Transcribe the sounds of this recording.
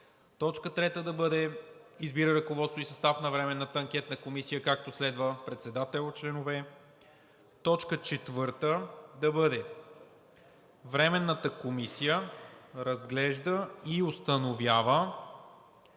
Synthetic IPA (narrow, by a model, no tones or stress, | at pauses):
t̪ɔt͡ʃkət̪ɾɛt̪əd̪ɐbɤd̪ɛizbiɾəɾɐkovɔt̪st̪oisɐst̪afnɐvɾɛmɛnːət̪əːŋk̟ʲɛt̪nəkomisijəkak̚t̪oslɛd̪vəpɾɛt̪sɛd̪at̪ɛlˠt͡ʃlɛnovɛ | t̪ɔt͡ʃkət͡ʃɛt̪vɤɾt̪əd̪ɐbɤd̪ɛ | vɾɛmɛnːət̪əkomisijəɾɐzɡlɛʒd̪əiost̪ənovʲjavə